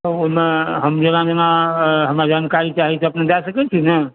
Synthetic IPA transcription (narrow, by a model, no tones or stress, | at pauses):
ʊmeɦəmd͡ʒenad͡ʒenaɦəmɾad͡ʒaːnkaɾit͡ʃaɦit͡ʃʰeɐpned̪asəkɛt͡ʃʰinə